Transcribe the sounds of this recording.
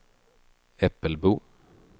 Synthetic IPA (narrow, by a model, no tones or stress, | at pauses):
ɛpəlbuː